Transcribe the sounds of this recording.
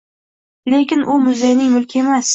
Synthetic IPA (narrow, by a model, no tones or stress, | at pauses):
le̞kʲɪnʔʊmʊzejnɪŋmʊlkʲʰemas